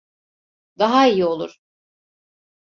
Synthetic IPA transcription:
d̪aɦaijio̞lˠṵɾ̥

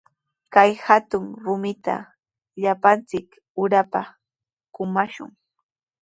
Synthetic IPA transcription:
kajhat̪ʊŋɾʊmɪt̪a̰ | ʎapant͡sɪk | ʊɾapa | kʊmaʃʊ̰ŋ

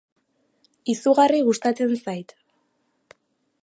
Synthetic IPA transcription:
isuɣariɣust̪at͡se̞nsajt̪

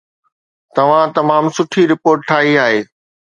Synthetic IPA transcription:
t̪ɐʋ̤ãt̪ɐmaːmsʊʈʰiɾɪpoːɾʈ̚ʈʰaːɦiaːɦeː

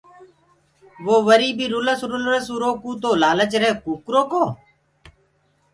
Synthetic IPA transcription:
ʋoːʋəɾiːbiːɾʊləsɾʊlɾəsuɾoːkuːt̪oːlaːlət͡ʃɾeːkuːkɾoːkoː

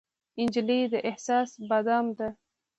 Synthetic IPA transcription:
ɪnd͡ʒilid̪əʔehsɑːsbad̪ɑmd̪a

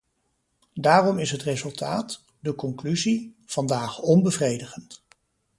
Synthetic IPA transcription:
daːrɔmɪsɦətrezɵlˠtʰaːt | dəkɔŋklyziv̥ɑndaːχɔnbəvrejdəχənt

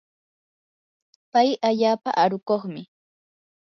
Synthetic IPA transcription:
pajaʎaːpa̰ʔaɾʊkoχmɪ

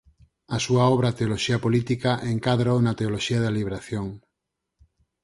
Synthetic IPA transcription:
asuaɔβ̞ɾat̪eoloʃiapolit̪ikaʔeŋkaðɾawnat̪eoloʃiaðaliβɾaθjoŋ

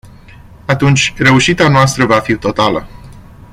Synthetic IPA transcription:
at̪unt͡ʃʲre̞uʃit̪eanoast̪ɾəvafit̪o̞t̪alə

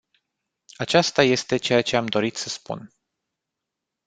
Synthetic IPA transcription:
at͡ʃast̪aje̞st̪e̞t͡ʃe̞jat͡ʃe̞amd̪o̞ɾit̪səspṵn

